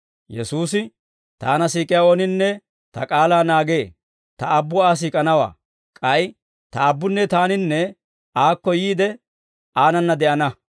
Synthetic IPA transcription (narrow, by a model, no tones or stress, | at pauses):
jɛsuːsɪ | t̪a̰ːnɐsiːkʼɪjaːonɪnːɛ | t̪ɐkʼaːlaːnaːɡe̞ː | t̪ɐːbːʊaːs̬iːkʼɐnɐwa̰ː | kʼɐj | t̪ɐːbːʊnːɛt̪aːnɪnːɛ | aːkːɔjiːd̪ɛ | ʔaːnɐnːɐd̪ɛʔɐnɐ